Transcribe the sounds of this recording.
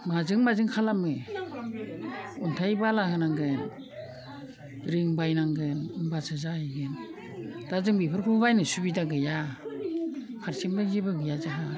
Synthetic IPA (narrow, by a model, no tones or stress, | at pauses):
mazɯŋmazɯŋkʰalamɯ | untʰajbalahɯnaŋɡen | ɾiŋbajnaŋɡenunbasɯzahijɡen | d̥azɯŋbipʰɯɾkʰuβajnɯsubidaɡɯja | kʰaɾsimdaŋɡibɯɡɯjazaɦa